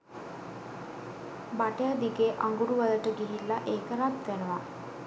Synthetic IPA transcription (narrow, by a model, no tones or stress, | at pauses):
baʈəjad̪iɡeʔaŋɡuɾuʋaləʈəɡiɦilːaʔeːkəɾat̪ʋenəʋa